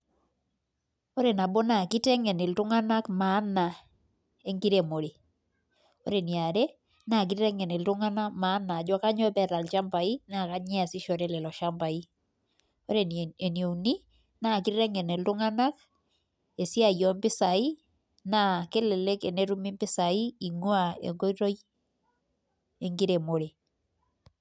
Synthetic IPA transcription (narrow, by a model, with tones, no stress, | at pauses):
ɔ˦ɾe˨na˨bɔ˦na˨ki˦tɛ˦ŋɛ˨ne˨ltʊ˦ŋa˦na˦kma˨˦na˨ | e˦ŋɡi˦ɾe˨mo˨ɾe˨ | ɔ̰˦ɾe˨nja˨ɾɛ˦ | na˨k̬i˦ɾɛ˦ŋɛ˨nɛ˨ltʊ˦ŋa˦na˦ma˨˦na˨d͡ʒɔ˦ka˦ɲɔ˦pɛ˨ɾa˨lt͡ʃa˦mba˨i˦na˨ka˦ɲɛ˦a˨sɪ˦ʃɔ˨ɾɛ˦lɛ˨lɔ˨ʃa˦mba˨i˦ | o˦ɾe˨ne˨njo˨ni˦ | na˦˨ki˦ɾɛ˦ŋɛ˨ne˨ltʊ˦ŋa˦na˦k | e˨si˦a˨jɔ˨mbɪ˦sa˨i˦ | na˦˨ke˦lɛ˨lɛ˦ke˨ne˦ɾu˦mi˦mbɪ˦sa˨i˦i˨ŋwa˦˨ḛ˨ŋɡo˦iɾo˦j | e˦ŋɡi˦ɾe˨mo˨ɾe˨